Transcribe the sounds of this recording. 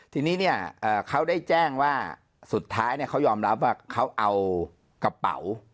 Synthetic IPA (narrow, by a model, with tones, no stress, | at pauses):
t̪ʰiː˧niː˦˥ni˥˩ɐʔɤː˨˩kʰa˦˥wdaː˥˩jt͡ɕɛː˥˩ŋwaː˥˩ | su˨˩t̪ʰːaː˦˥jni˥˩ɐkʰwjɔː˧mɾa˦˥p̚waː˥˩kʰa˦˥wʔa˧w | ka˧pa̰˨˩˦w